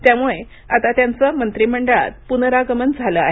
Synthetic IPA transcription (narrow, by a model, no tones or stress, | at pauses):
t̪jamuɭe | at̪at̪jant͡səmənt̪ɾim̤əɳɖəɭa̰t̪̚punəɾaɡəmənd͡zʱaləaɦ